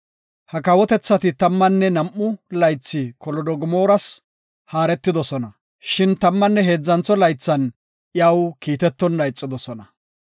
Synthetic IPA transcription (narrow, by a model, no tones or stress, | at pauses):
hɐkɐwɔt̪ɛt͡sːɐt̪ɪt̪ɐmːɐnːɛnɐmʔːʊlɐjt͡sːɪkɔlɔd̪ɔɡʊmo̞ːɾɐs | haːɾɛt̪ːɪd̪ɔsɔnɐ | ʃɪnt̪ɐmːɐnːɛɦe̞ːd͡zːɐnt͡sːɔlɐjt͡sːɐn | ʔjɐwkiːt̪ɛt̪ːɔndɐjt͡sʼːɪd̪ɔsɔnɐ